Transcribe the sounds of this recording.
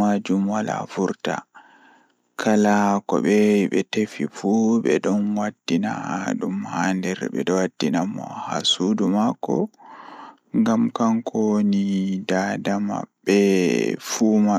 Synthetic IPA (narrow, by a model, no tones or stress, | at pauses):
ad͡ʒumwala̰fuɾta̰ | kʰalakɔ̰ɓɛɓɛtefifuɓɛɗɔnwadːinaɗumhaːndɛɾɓɛ̰ɗɔwadːinamɔ̰ha̰sudumakɔ̰ | ŋɡamkaŋkʰɔnidadama̰bɛfuma